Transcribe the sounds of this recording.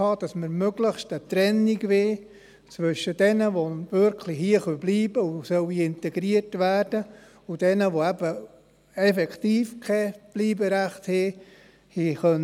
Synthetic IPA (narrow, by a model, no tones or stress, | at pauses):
ɑːd̥ɑsməɾmøɡ̥ləχʃtət̪ɾɛnːiɡʋeː | t͡sʋʏʃəd̥ɛnəʋoʋʏɾkʰlihiəχœbliːb̥əusœwiɪntɛɡ̥ɾiərtʋæːrd̥ə | ud̥ɛnəʋoæb̥ə | ɛfɛkʰt̪iːfkʰɛb̥liːbəɾæχthɛː | hiχœn